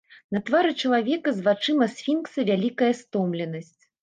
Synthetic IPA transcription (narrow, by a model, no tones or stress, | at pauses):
nɐt̪vaɾɨt͡ʂɐlˠavʲɛkɐzvat͡ʂɨmɐsʲfʲinksɐvʲalʲikɐjɐst̪ɔmlʲɛnɐsʲt͡sʲ